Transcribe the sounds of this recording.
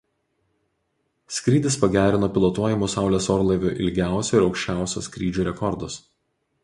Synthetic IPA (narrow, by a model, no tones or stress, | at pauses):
sʲkɾʲiːd̪ʲɪspɐɡʲæːɾʲɪnoːpʲɪlˠot̪uɔjɪmusɑˑʊlʲeːsɔɾlˠɐɪʋʲo̰ːʔɪlʲɡʲæˑʊsʲoɪɾɒʊkʃʲt͡ʃʲæˑʊsʲo̰sʲkɾʲiːd͡ʒʲuːɾʲɛkɔɾd̪ʊs